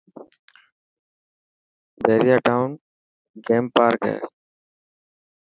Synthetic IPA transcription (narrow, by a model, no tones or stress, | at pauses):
beːɾɪjaːʈaːʊn | ɡeːmpaːɾkɛ̰ː